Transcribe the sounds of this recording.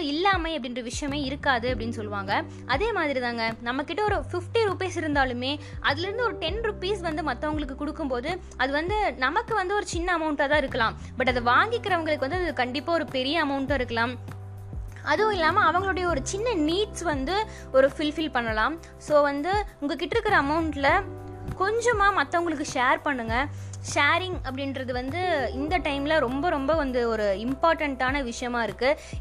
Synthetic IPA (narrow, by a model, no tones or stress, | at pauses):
ɪlːaːmɐɐpːɐɽɪndrɐʋɪʂɐjɐmeːɪɾɯkːaːðɯɐpːɐɽɪnːɯsɔlːʋaːŋɡɐ | ʔɐðeːmaːðɪɾit̪ãːŋɡɐnɐmːɐkːɪʈːɐɔɾɯfɪfʈiɾupiːsɪɾɯnd̪aːlɯmeː | ʔɐðɪlɪɾɯnd̪ɯɔɾɯʈɛnɾʊpiːsʋɐnd̪ɯmɐt̪ːɐʋɐŋɡɐɭɯkːɯkʊɽɯkːɯmpoːðɯ | ʔɐðɯʋɐnd̪ɯnɐmɐkːɯʋɐnd̪ɯɔɾɯt͡ʃɪnːɐːmɐʊɳʈaːt̪̬ãːɐɪɾɯkːɐlãːm | bɐʈːɐðɐʋaːŋɡɪkːɪɾɐʋɐŋɡɐɭɯkːɯʋɐnd̪ɯɐɐðɯkɐɳɖɪpːaːɔɾɯpɛɾɪjɐɐmɐʊɳʈaːɪɾɯkːɐlãːm | ɐðɯ̃ɪlːaːmɐɐʋɐŋɡɐɭɯɽɐjɐɔɾɯt͡ʃɪnːɐniːʈsʋɐnd̪ɯ | ɔɾɯfɪlfɪlpɐɳːɐlãːm | soːʋɐnd̪ɯʊŋɡɐk̬ːɪʈːɪɾɯkːɪɾɐːmɐʊɳʈlɐ | kɔɲd͡ʒɔmaːmɐt̪ːɐɐŋɡɐɭɯk̬ːɯʂeːɾpɐɳːɯŋɡɐʂeːɾɪŋɐpːɐɽɪnɾɐðɯʋɐnd̪ɯɪnd̪ɐʈɐɪmlɐɾɔmbɐɾɔmbɐʋɐnd̪ɯɔɾɯɪmpaːɾʈɐɳʈaːnɐʋɪʂɐjɐmaːɪɾɯkːɯ